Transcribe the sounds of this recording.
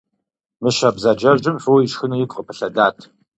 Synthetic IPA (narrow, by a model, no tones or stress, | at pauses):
mɨʃabzad͡ʒɐʒɨmfɨwjɪʃxɨnɐjɪkʷʼqʼəpʰɨɬɐdaːtʰ